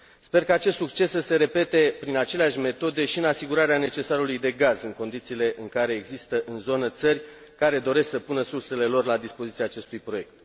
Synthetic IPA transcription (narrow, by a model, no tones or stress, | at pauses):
spe̞rkaːt͡ʃe̞st̪suk̚t͡ʃe̞səse̞ɾe̞pe̞t̪e̞pɾinat͡ʃeleaʃʲme̞t̪o̞d̪e̞ʃiɨnasiɡuɾaɾeane̞t͡ʃe̞saɾulujd̪e̞ɡazɨŋko̞nd̪it̪siːle̞ʔɨŋkaɾe̞ːɡzist̪əʔɨnzo̞nət̪sərʲ | kaɾe̞d̪o̞ɾe̞sksəpunəsurse̞le̞lo̞rlad̪ispo̞zit̪siaːt͡ʃe̞st̪ujpɾo̞je̞k̚t̪̚